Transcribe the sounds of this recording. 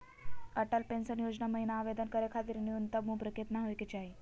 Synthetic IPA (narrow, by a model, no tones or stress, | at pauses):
əʈəlpensənjod͡znaməɦinaːʋed̪ənkəɾekʰat̪iːɾniunt̪əmũpɾəket̪naɦojket͡ɕaɦi